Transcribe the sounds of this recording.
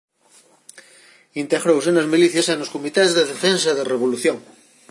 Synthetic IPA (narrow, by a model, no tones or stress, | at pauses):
int̪eɣɾowsenɐzmiliθjasenoskomit̪ezðeðefensɐðereβ̞oluθjoŋ